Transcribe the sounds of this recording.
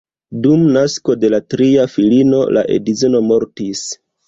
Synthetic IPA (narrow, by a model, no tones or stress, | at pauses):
dumnasko̞de̞latɾiafilino̞̰la̰ʔe̞̰dizeno̞mo̞ɾtis